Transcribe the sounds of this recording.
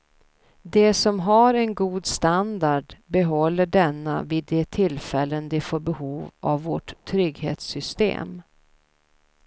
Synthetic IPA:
d̪ɛsɔmɦaɾɛnɡuːd̪st̪and̪aɖbɛɦɔlːəɖɛnːa̰vɪd̪ɛt̪ʰɪlfɛlːənd̪ɪfoːɾbɛhuːvʔa̰vːɔʈʰːɾʏɡhḛːt̪sʏst̪ḛːm

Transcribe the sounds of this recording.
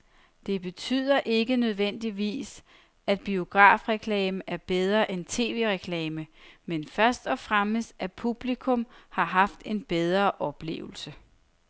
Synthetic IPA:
d̥e̝b̥e̝t͡sʰy̰ːð̞̰ˠɐʔe̝ɡ̥ənøð̞ˠʋen̰d̥iʋḭːs | æd̥̚b̥io̝ɡ̥ʁɑ̰̈ːfʁɛkʰlɛːməʔæɐb̥eð̞ˠʁɐʔent͡sʰe̝̰ːʋe̝̰ʁɛkʰlɛːməmenfɶɐsd̥ɒfʁaməsæpʰub̥likʰɔ̽mhɑ̈ɦɑ̈fd̥e̝nb̥eð̞ˠʁɐʔɒ̽b̥le̝̰ːʊl̩sə

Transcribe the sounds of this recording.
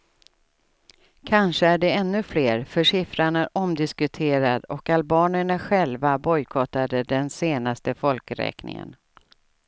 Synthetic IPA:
kʰanʂəæɖɛɛnːɵfleːɾfœʂɪfɾaɳæɾʔɔmd̪ɪskɵt̪ʰeːɾad̪ɔkalbɑːnəɳaɧɛlvabɔjkʰɔt̪ad̪əd̪ɛnseːnast̪əfɔlkɾɛ̰ːknɪ̰ŋə̰n

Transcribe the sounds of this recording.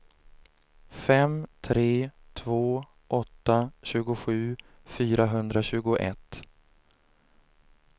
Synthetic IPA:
fɛmt̪ʰɾeːt̪ʰvoː | ʔɔt̪ːaɕʉ̟ːɡʊɧʉ̟ː | fyːɾaɦɵnd̪ɾaɕʉ̟ːɡʊʔɛ̰t̪

